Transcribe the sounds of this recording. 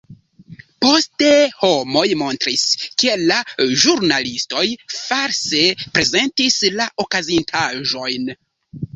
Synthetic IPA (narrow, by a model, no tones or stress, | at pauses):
po̞steho̞mo̞jmo̞ntɾiske̞laʒuɾnalisto̞jfaɾse̞pɾe̞ze̞ntislaʔo̞kazintʰaʒo̞jn